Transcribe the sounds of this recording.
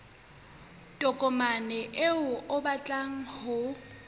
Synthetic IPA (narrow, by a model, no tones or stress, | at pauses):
tʼɔkʼɔmanɪʔɪʊʔʊbat͡ɬʼaŋ̩hʊ